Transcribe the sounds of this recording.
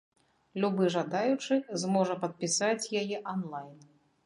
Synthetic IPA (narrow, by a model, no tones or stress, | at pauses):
lʲubɨʐad̪ajut͡ʂɨxzmɔʐɐpɐt̪̚pʲisat͡sʲjajɛʔanlˠajn